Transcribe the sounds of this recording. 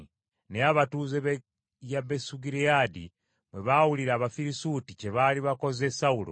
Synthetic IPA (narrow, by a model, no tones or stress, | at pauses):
neaβatuzeβ | jaβesuɡiɾiadḭ | mweβawuliɾaːβafiɾisutice̞βaliβako̞ze̞saulo̰